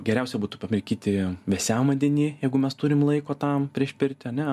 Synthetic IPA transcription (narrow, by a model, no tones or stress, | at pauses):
ɡʲɛɾʲɛʊsʲɛbuːt̪ʊpɐmʲɪɾʲkʲiːt̪ʲɪʋʲɛsʲæːmɐd̪ʲɛnʲiːjɛɪɡʊmʲɛst̪ʊːɾʲɪmlˠɐɪkoːt̪ɐmpʲɾʲiɛʃʲpʲɪɾʲt̪ʲɪɐnʲɛ